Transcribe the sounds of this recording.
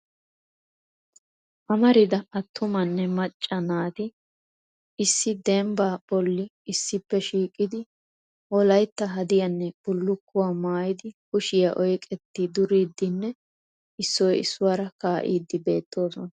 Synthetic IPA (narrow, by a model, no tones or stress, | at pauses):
ʔɐmɐɾɪd̪ɐɐt̪ːʊmɐnːɛmɐt͡ʃʼːɐnaːt̪ɪ | ɪsːɪd̪ɛmbaːb̥ɔlːɪ | ɪsːɪpːɛʃiːkʼːɪd̪ɪ | ʔɔlɐjt̪ːɐɦɐd̪ɪjɐnːɛb̥ʊlːʊkːʊwaːmaːjɪd̪ɪkʊʃɪjɐʔɔjkʼɛt̪ːɪd̪ʊɾiːd̪ːɪnːɛ | ɪsːɔjɪ̰sːʊwaːɾɐkaːʔḭːd̪ːɪbe̞ːt̪ːo̞ːsɔnɐ